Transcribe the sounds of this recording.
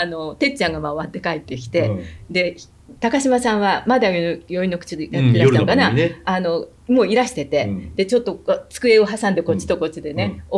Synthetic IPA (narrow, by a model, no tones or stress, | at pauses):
ano̞t̪e̞t͡ɕãŋɡamaoβat̪ːe̞kaet̪ːe̞kʲi̥t̪e̞d̪e̞ | t̪akaɕimasãɰ̃βamad̪ajojo̞ino̞kɯ̟̥t͡ɕijat̪ːeɾaiaokanaano̞ | mo̞ːiɾaɕi̥t̪e̞t̪e̞d̪̥e̞t͡ɕo̞t̪ːo̞t͡sɨ̥kɯ̟e̞o̞ɦasãnd̪e̞ko̞t͡ɕi̥t̪o̞ko̞t͡ɕid̪e̞ne̞o